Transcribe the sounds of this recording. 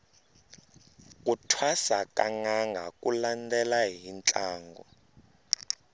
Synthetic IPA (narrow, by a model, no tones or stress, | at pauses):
k̬ʼutʰwasakʼaŋaŋɡʱakulandɛlaɦint͡ɬʼaːŋɡɔ̰